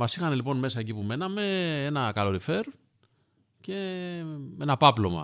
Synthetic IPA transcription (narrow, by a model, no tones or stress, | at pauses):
mɐsixɐnelipo̞nme̞sɐe̞cipume̞nɐme̞enɐkɐlo̞ɾife̞ɾ | ce̞ | me̞nɐpɐplo̞mɐ̰